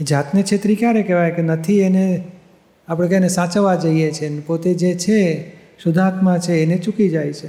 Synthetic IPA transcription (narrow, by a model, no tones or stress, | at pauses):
ed͡ʒat̪net͡ʃʰet̪ɾikjaɾekeʋajkenət̪ʰiene | apɽ̃ekɛnesãt͡ʃəʋad͡ʒəijet͡ʃʰenepot̪ed͡ʒet͡ʃʰe | sʊd̪ʱat̪mãt͡ʃʰeːnet͡ʃukid͡ʒajt͡ʃʰe